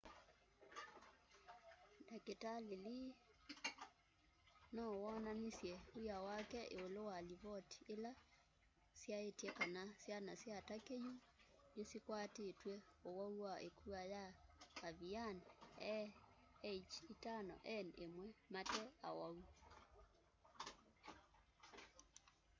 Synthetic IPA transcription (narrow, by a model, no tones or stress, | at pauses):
daketaleliː | nawɔnanisjɛujawakɛʔeolowaliβɔti̥ela | sjaetjɛkanasjanasiatakeju | nesikwatetwɛowauwaʔḛkʰuajaaβianɛ | et͡ʃitanɔ̰ʔɛnemwɛmatɛa̰wau